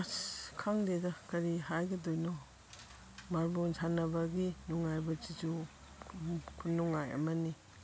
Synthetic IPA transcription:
askʰaŋdedɐkɐɾihajɡɐdojnɔ | maɾbonsʰanɐbɐɡinuŋajbɐt͡ʃid͡ʒu | kʰunːuŋajɐ̰mɐni

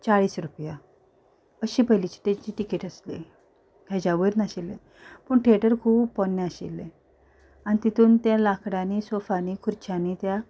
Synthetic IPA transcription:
t͡saɭiːsɾupja | əɕiːpəjlit͡ɕi̥t̪et͡ɕiːʈikeʈəslḭ | ɡad͡ʑaʋəɾnaɕilːe | pəɳʈʰeʈəɾkʰuːbpɔnːaəɕḭlːẽ | anit̪it̪ʰuːnt̪jãlakʰɽãnisofanikʰuɾt͡ɕʰanit̪ja

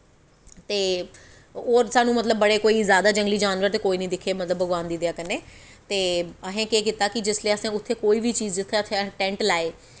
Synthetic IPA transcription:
t̪eː | oːɾsaːnũːmət̪ləbːəɽeːkoːiːzjaːd̪aːd͡ʒə̃ŋɡliːd͡ʒaːnʋəɾt̪eːkoːiːnəĩːd̪ɪkʰːeːmət̪ləbːəɡʋãːnd̪iːd̪jaːkəneː | t̪eːəɦẽːkeːkit̪aːkɪd͡ʒɪsleːəsãːʊt̪ʰːeːkoːiːʋiːt͡ʃiːzd͡ʒɪt̪ʰːeːʊt̪ʰːeʈɛ̃ːɳʈlaːeː

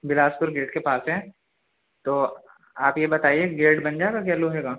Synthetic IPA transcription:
bɪlaːspʊɾɡeːʈkepaːsɦɛː | t̪oː | aːpjebɐt̪aːieɡeːʈbɐnd͡ʒaːeɡak̬ɛloɦɛːɡaː

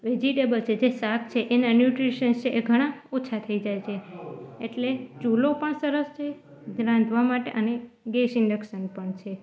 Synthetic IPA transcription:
ʋed͡ʒiʈebəlt͡ʃʰed͡ʒesak̚ʰt͡ʃʰeʔenanjuʈɾiʃənt͡ʃʰeʔeɡʱəɽ̃aot͡ʃʰat̪ʰəid͡ʒajt͡ʃʰeeʈlet͡ʃulopəɳsəɾəst͡ʃʰe | ɡɾãnd̪ʱʋamaʈḛʔəne | ɡesɪ̃ɳɖəkʃənpəɳt͡ʃʰe

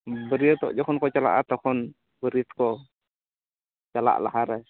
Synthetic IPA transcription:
bəɾiət̪ɔ̰ʔd͡ʒɔkɔnkɔt͡ʃala̰ʔa̰t̪akɔn | bəɾit̪ko | t͡ʃala̰ʔla̰ɦaɾə

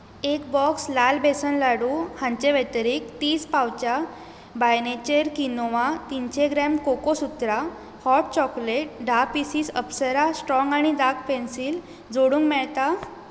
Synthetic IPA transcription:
ekbɔkslalbesənlaɽuhãɲt͡ɕeʋet̪əɾiːkt̪iːspawt͡ɕa | bajnet͡ɕeɾkinoʋat̪int͡ɕeɡɾɛmkokosut̪ɾa | hɔʈ̚t͡ɕɔkleʈ̚ɖʱapisiːsəpsəɾasʈɾɔ̃ŋɡaɽ̃id̪akpensiːl | d͡zoɽũːŋɡmɛɭt̪a

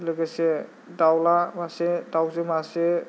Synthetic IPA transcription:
lɯɡase | dawlamasedawzɯmase

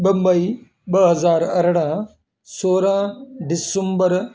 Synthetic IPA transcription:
ɓɐmbɐi | ɓɐɦɐzaːɾɐɾɽ̃ã | soːɾãːɖɪsəmbəɾ

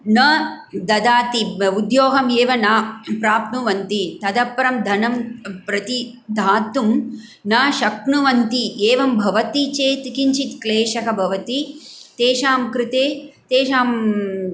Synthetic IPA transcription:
nɐ | d̪ɐd̪aːt̪iud̪joːɦɐmeːʋɐnaːpɾaːpnuʋɐnt̪it̪ɐd̪ɐpːɐɾɐmd̪ʱɐnɐmpɾɐt̪i | d̪ʱaːt̪ːum | naːʃɐkɳuʋɐnt̪ieːʋɐmbʱɐʋɐt̪it͡ʃeːt̪kiɲt͡ʃit̪kleːʃɐkɐbʱɐʋɐt̪it̪eːʃaːmkɾɪt̪eːt̪eːʃaːm

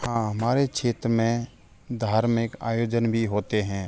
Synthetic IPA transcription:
hãːɦɐmaːɾekt͡ʃʰeːt̪ɾəmẽ | d̪ʱaːɾmɪka̰ːjoːd͡ʒənbʱiɦoːt̪eɦɛ̃ː

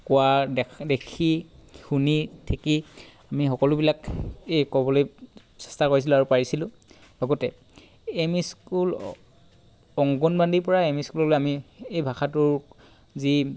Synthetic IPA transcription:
kɔwadekʰixunitʰekiamixɔkɔlʊbilakejkɔbɔloj | sɛ̥stakoɹis̬ilaɹupaɹisilʊ̃ | lɔɡɔtɛ | emiskul | ɔŋɡɔnbandipɔɹaemiskulɔlojamiejbʱaxʰatʊɹ | zi

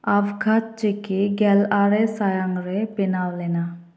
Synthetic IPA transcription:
aʋkʰat̚t͡ʃekeɡɛlaɾɛsajaŋɾɛpinawlɛna

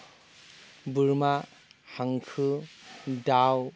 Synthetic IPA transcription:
bɯɾma | haŋkʰɯ | daw

